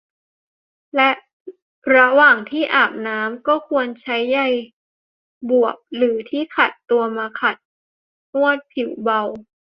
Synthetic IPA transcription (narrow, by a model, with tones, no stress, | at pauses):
lɛ˦˥ʔ | ɾa˧waː˨˩ŋt̪ʰiː˥˩ʔaː˨˩p̚naː˦˥mkɔː˥˩kʰu˧ənt͡ɕʰa˦˥jːa˧˩j | bu˨˩əp̚lɯː˩˦t̪ʰiː˥˩kʰa˨˩t̪ːu˧ɐmaː˧kʰa˨˩t̪̚ | mu˥˩ət̪̚pʰi˨˩˦wba˧w